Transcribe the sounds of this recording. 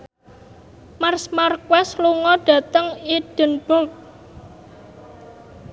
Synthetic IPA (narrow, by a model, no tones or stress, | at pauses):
marsmarkwɛsluŋɔɖ̥ä̤t̪əŋid̥ə̤nb̥ɔlt̪̚